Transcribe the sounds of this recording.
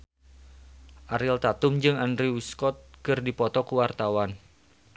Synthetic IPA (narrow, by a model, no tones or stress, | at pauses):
ʔaɾɪlt̪at̪ʊmd͡ʒɨŋandɾiwiskɔt̪̚kərdipɔt̪ɔkuwart̪awan